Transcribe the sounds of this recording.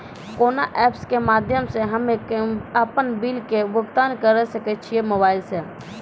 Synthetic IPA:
konaʔɛpskemad̪ʱjəmsẽɦəmekəpənbilkebəkt̪ankəɾɛsəkɛt̪̚t͡ʃʰijemobailse

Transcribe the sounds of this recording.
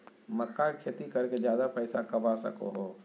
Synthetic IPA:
məkːakʰeːt̪ikɐɾked͡ʒjaːd̪apɛːsakɐbasɐ̰ko̰ɦoː

